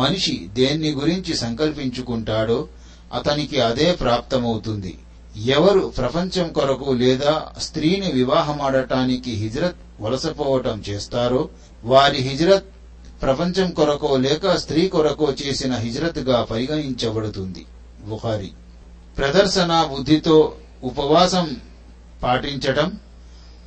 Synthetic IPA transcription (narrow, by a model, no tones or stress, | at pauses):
mɐniʂid̪eːnːiɡuɾiɲt͡ʃisɐŋkɐlpiɲt͡ʃukuɳʈaːɽoː | ɐ̰t̪ɐnikiɐd̪eːpɾaːp̚t̪ɐmɐwut̪und̪ḭ | ɛʋɐɾupɾɐpɐɲt͡ʃɐmkɔɾɐkulɛːd̪aːst̪ɾiːniʋiʋaːɦɐmɐːɽɐʈaːnikiɦid͡ʒɾɐt̪̚ | ʋɐlɐsɐpɔːʋɐʈɐmt͡ʃeːst̪aːɾoː | ʋaːɾiɦid͡ʒɾɐt̪̚ | pɾɐpɐɲt͡ʃɐmkɔɾɐkoːlɛːkɐst̪ɾiːkɔɾɐkoːt͡ʃe̞ːsinɐɦid͡ʒɾɐt̪ɡaːpɐɾiɡɐɳiɲt͡ʃɐbɐɽut̪und̪ḭ | buxaːɾḭ | pɾɐd̪ɐɾʃɐnaːbud̪ʱːit̪o̞ː | upɐʋaːsɐm | paːʈiɲt͡ʃɐʈɐm